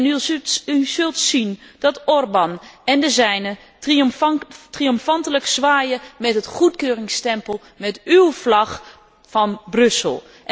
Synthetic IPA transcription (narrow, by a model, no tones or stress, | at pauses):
nyyzɵlˠtsind̥ɔtɔrbanɛndəzɛjnə | ritriɔmfɑntələksʋaːjəmɛtɦətχutkøːrɪŋstɛmpəlˠ | mɛtywflɑx | fɑnbrøsə̰lˠ